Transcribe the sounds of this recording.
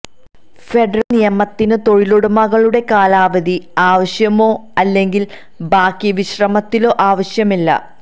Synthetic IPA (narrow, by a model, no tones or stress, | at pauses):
fe̞ɖɐrɐlnijɐmɐt̪ːinɨt̪o̞ɻiloɽumɐɣɐɭuɽe̞kaːlaːʋɐd̪iaːʋɐɕjɐmo̞ːɐlːe̞ŋɡil | baːkːiʋiɕrɐmɐt̪ːilo̞ːʔaːʋɐɕjɐmilːɐ̰